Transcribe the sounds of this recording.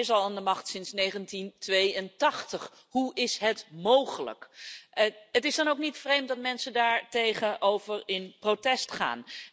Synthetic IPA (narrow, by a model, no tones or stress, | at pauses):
ɪs̬ɑlˠaːndəmɑχtsɪnsnejχəntintʋejəntɑχtəχ | ɦuʔɪsɦətmowχələ̰k | ɦətɪzdɑnowknitfrejmt̚dɑtmɛnsəndaːɹtejχənʔowvəɹɪnprowtɛstχa̰ːn